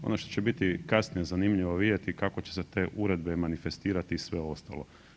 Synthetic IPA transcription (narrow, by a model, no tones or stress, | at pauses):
o̞̰noʃt̪ot͡ɕebit̪ikasnijezanimʎiʋo̞ʋid̪ʲje̞t̪ikako̞t͡ɕeset̪e̞ːʔuɾe̞d̪bemanife̞st̪iːɾat̪isʋe̞o̞st̪a̰lˠo̞̰